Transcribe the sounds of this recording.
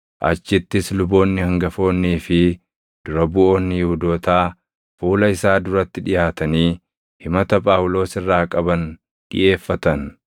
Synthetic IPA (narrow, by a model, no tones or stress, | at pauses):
ʔɐ̰t͡ʃːɪt̪ːɪslʊbo̞ːnːɪhɐŋɡɐfo̞ːnːiːfɪ | d̪̥ʊɾɐbʊʔo̞ːnːɪhʊd̪o̞ːt̪aː | fuːlɐɪsaːd̪ʊɾɐt̪ːɪᶑɪjaːt̪ɐniː | hɪmɐt̪ɐpʼaːʊlo̞ːsɪrːaːkʼɐbɐn | ᶑɪ̰ʔe̞ːfːɐt̪ɐn